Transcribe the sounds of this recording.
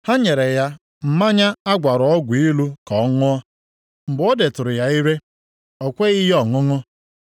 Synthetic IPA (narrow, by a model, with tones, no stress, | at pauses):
ha˦ɲe˨ɾe˨ja˦ | m̩˦ma˦ɲa˦a˦ɡʷa˨ɾʊ˨ɔ˦ɡʷi˦lu˦kɔ˨˦ŋʊ˦ɔ˦ | m̩˨bɔ˦de˨tʊ˨ɾʊ˨ja˦i˦ɾe˦ | ɔ˨kʷe˦i˦ɦɔ˨ŋʊ˦ŋʊ˦